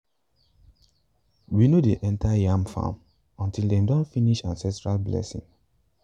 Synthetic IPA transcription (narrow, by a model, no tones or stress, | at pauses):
winodeʔɛ̃ntʰajãmfã̰m | ɔ̃ntildɛ̃mdɔ̃ntfiniʃãnsɛ̃tɹalblɛ̰sḭ̃ŋ